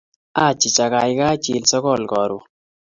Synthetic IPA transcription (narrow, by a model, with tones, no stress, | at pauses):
a˦˨t͡ʃɪ˨t͡ʃa˨ka˨jka˦t͡ʃi˨lsɔ˦kɔ˦˨lkɔ˨ɾu˨